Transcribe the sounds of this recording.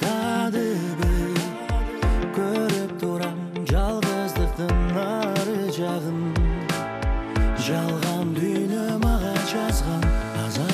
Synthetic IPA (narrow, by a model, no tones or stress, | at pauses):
t̪ʰɑd̪əbɪj | kʲʰɵɾɪp̚t̪ʰuɾɑm | ʒɑlˠʁəzd̪əqt̪əŋnːɑɾəʒɑʁən | ʒɑlˠʁɑnd̪ʏjnemɑʁɑʒɑzʁɑnʰ | ɑzɑ